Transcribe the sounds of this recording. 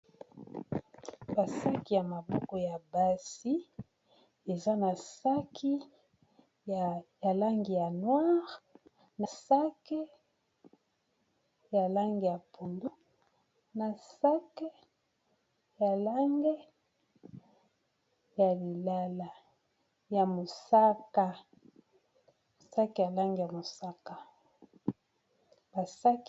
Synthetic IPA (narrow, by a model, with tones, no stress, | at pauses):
ba˨sa˦ki˨ja˨ma˨bɔ˦ko˨ja˨ba˦si˦ | e˨za˦na˨sa˦kʰi˦ | ja˨la˦ŋɡi˨ja˨nwa˦ʁ | na˨sa˦ke˦ | ja˨la˦ŋɡi˨ja˨pʰo˨ndu˦ | na˨sa˦ke˦ | ja˨la˦ŋɡe˦ | ja˨li˨la˦la˨ | ja˨mo˨sa˦ka˨ | mo˨sa˦ke˨ja˨la˦ŋɡe˨ja˨mo˨sa˦ka˨ | ba˨sa˦k